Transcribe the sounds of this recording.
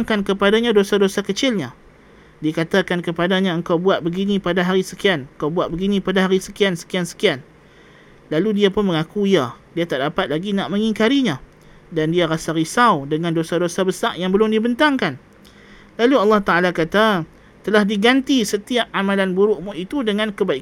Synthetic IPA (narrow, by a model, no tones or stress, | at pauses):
ŋkankəpadaɲãdosadosakət͡ʃɪlɲã | diakat̪akankəpadaɲãəŋkawbuat̪̚bəɡinĩpadaɦaɾisəkianəŋkawbuat̪̚bəɡinĩpadaɦaɾisəkiansə̥kiansə̥kian | laludiapʊnməŋakuiadiat̪aʔdapat̪̚laɡinaʔmə̃ŋiŋkaɾiɲã | dandiaɾasaɾisawdəŋãndosadosabəsaʔjaŋbəlʊmdibənt̪aŋkan | laluɑlːɑht̪aalakat̪a | t̪əlahdiɡant̪isət̪iap̚ʔamãlanbuɾʊʔmʊʔit̪udəŋãnkəbaik